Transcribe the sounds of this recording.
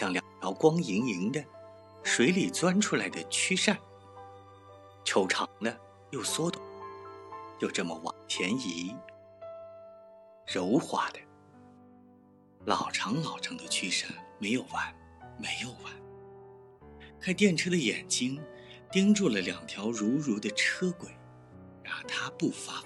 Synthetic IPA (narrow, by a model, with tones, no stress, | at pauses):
ɕjɑ˥˩ŋljɑ˨˩ŋt̪ʰjɑ˧˥ʊkwɑ˥ŋi˧˥ŋi˧˥ŋd̪ə˧ | ʂwe˧˥ɪli˨˩t͡swa˥nʈ͡ʂʰu˥la˧˥ɪd̪ə˧t͡ɕʰy˥ʂa˥˩n | t͡ɕʰjo˧˥ʊʈ͡ʂʰɑ˧˥ŋd̪ə˧ | jo˥˩ʊswɔ˥t̪u˨˩ | t͡ɕjo˥˧ʊʈ͡ʂɤ˥˩mə̰˩wɑ̰˨˩ŋt̪ʰjɛ˧˥ni˧˥ | ɻo˧˥ʊxwa̰˧˥d̪̥ə̥˦ | lɑ̰˨˩ʊʈ͡ʂʰɑ˧˥ŋlɑ˨˩ʊʈ͡ʂʰɑ˧˥ŋd̪ə˧t͡ɕʰy˥ʂa˥˩nme˧˥ɪjo˨˩ʊwa˥˩n | me˧˥ɪjo˨˩ʊwa˥˩n | kʰa˥ɪt̪jɛ˥˩nʈ͡ʂʰɤ˥d̪ə˧jɛ̰˨˩nt͡ɕi˥ŋ | t̪i˥ŋʈ͡ʂu˥˩lə˩ljɑ˨˩ŋt̪ʰjɑ˧˥ʊɻu˧˥ɻu˧˥d̪ə˧ʈ͡ʂʰɤ˥kwe˨˩˦ɪ | ɻa˧˥˩t̪ʰa˥pu˥˩fa˥